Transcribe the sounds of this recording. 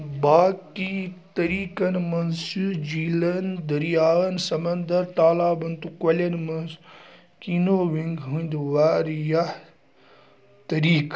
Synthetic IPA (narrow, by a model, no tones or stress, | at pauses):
baːkit̪ɐɾiːkɐnmɐnsud͡ʑiːlɐnd̪ɐɾijaːʋɐnsɐmɐ̃nd̪əɾt̪aːlaːbɐnt̪ukɐlɐnmɐns | kiːnoːʋiŋɡɦũːnd̪ʋaːɾja | t̪ɐɾiːk